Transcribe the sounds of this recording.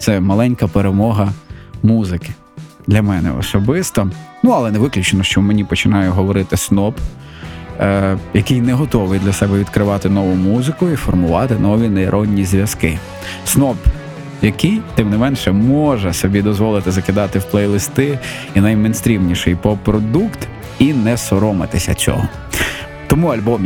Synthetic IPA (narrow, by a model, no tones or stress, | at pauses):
t̪sɛmɐlˠɛnʲkɐpeɾemɔɦɐmuzɪkɪ̥ | d̪lʲɐmɛnɛ̰ɔ̰sɔbɪst̪ɔnuɐlˠɛnɛʋɪklʲʊt͡ʃenɔʃt͡ʃɔmenʲipɔt͡ʃɪnɑjʊɦɔʋɔɾɪt̪ɪsnɔp | jɐkɪjnɛɦɔt̪ɔʋɪjd̪lʲɐsɛbɛʋʲid̪kɾɪʋɑt̪ɪnɔʋʊmuzɪkʊifɔrmʊʋɑt̪ɪnɔʋʲineiɾʔɔnʲːizʲʋʲjɐskɪ | snɔp | jɐkɪjt̪ɪmnɪmɛnʃɛmɔʒɛsɔbʲid̪ɔzʋɔlˠɪt̪ɪzɐkɪd̪ɑt̪ɪwplˠɛjlˠɪst̪ɪ | inɐjmɛjnst̪ʲɾʲimnʲiʃɪjpɔpɾɔd̪ukt̪ | inɛsɔɾɔmɪt̪ɪsʲɐ̰t͡sʲɔ̰ɦɔ | t̪ɔmuɐlʲbɔm